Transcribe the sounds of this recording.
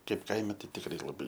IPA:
ˈkɐɪp ˈkɐɪmʲɛ ˈtɐɪ tʲɪkˈrɐɪ lˠɐˈbɐɪ

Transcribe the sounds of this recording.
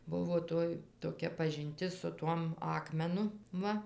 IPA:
ˈbʊʋoː ˈtoːj toːˈkʲɛ pɐʒʲɪnʲˈtʲɪs sʊ ˈtuɔm ˈɑːkmʲɛnʊ ˈʋɐ

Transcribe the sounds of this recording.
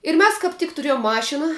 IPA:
ɪr ˈmʲɛs kɐp ˈtʲɪk tʊˈrʲiɛjʊm ˈmɑːʃʲɪnɐ

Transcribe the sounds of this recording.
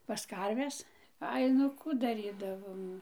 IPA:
pɐs ˈkɐrʲʋʲɛs ˈɐɪ nʊ ˈkuː dɐˈrʲiːdɐʋoːm

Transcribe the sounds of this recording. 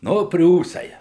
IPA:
ˈnʊ ˈpʲrʲuːsɐɪ

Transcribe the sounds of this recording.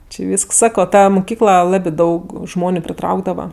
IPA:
t͡ʃʲɪ ˈʋʲiːsks ˈsɑːkoː ˈtɐ mʊˈkʲiːklˠɐ ˈlˠɑːbʲɪ ˈdɐʊk ˈʒmoːnʲʊ pʲrʲɪˈtrɐʊɡdɐʋɐ

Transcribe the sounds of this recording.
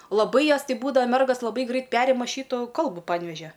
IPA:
lˠɐˈbɐɪ ˈjoːs ˈtʲɪ ˈbuːdɐʋɐ ˈmʲɛrɡɐs lˠɐˈbɐɪ ˈɡrɐɪt ˈpʲæːrʲɪmɐ ˈʃʲiːtʊ ˈkɐlˠbʊ pɐnʲˈʋʲæːʒʲɛ

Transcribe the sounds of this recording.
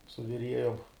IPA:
sʊ ʋʲɪˈrʲiɛjoːm

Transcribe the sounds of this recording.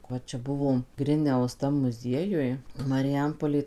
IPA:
ˈʋɐ ˈt͡ʃʲɛ ˈbʊʋoːm ˈɡrʲɪnʲɛʊs ˈtɐm mʊˈzʲiɛjʊj mɐrʲɪˈjɛmpoːlʲeː

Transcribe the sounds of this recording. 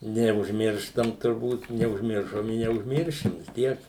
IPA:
nʲɛʊʒʲˈmʲɪrʃtɐm tʊrˈbuːt nʲɛʊʒʲˈmʲɪrʃoːm ɪ nʲɛʊʒʲˈmʲɪrʲʃʲɪm ʋʲɪs ˈtʲiɛk

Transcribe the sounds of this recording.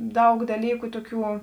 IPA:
ˈdɐʊk dɐˈlʲiːkʊ ˈtoːˌkʲuː

